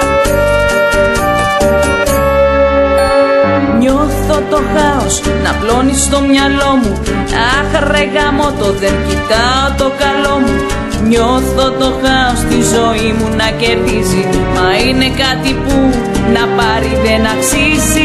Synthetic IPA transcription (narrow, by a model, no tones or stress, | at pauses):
ɲo̞θo̞t̪o̞xɐosnɐplo̞nist̪o̞mɲɐlo̞mu | ɐxɾe̞ɣɐmo̞t̪o̞ðe̞ncit̪ɐot̪o̞kɐlo̞mu | ɲo̞θo̞t̪o̞xɐo̞st̪izo̞imunɐce̞tizimɐine̞kɐt̪ipu | nɐpɐɾiðe̞nɐksisi